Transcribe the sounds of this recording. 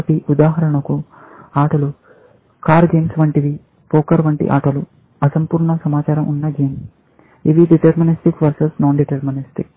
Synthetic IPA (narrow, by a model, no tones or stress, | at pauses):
piud̪aːɦɐɾɐɳɐku | aːʈɐlu | kaːɾɡeːmsʋɐɳʈiʋi | pɔːkɐɾʋɐɳʈḭʔa̰ːʈɐlu | ɐsɐmpuːɾɳɐsɐmaːt͡ʃaːɾɐmʔunːɐɡeːm | iʋiɖiʈɐɾminisʈikʋɐɾsɐsnoːnɖiʈɐɾminisʈik